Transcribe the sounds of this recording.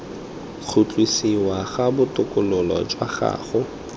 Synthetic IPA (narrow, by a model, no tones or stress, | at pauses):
k͡xʰʊt͡ɬʼwisiwaɣabʊtʼʊkʼʊlʊlɔ̰d͡ʒwaχa̰ːχʊ